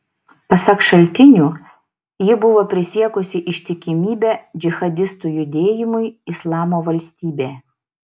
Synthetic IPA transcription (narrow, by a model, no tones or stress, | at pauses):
pɐsɐkʃɐlʲt̪ʲɪnʲuː | jɪbʊʋoːpʲɾʲɪsʲiɛkʊsʲɪʔɪʃʲt̪ʲɪkʲɪmʲiːbʲæːd͡ʒʲɪxɐd̪ʲɪst̪uːjʊd̪ʲeːjɪmʊɪɪslˠɑːmoːʋɐlʲsʲt̪ʲiːbʲeː